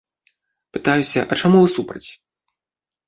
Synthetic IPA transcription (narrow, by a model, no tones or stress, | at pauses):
pɨt̪ajusʲɐ̰ʔɐt͡ʂamuvɨsupɾɐt͡sʲ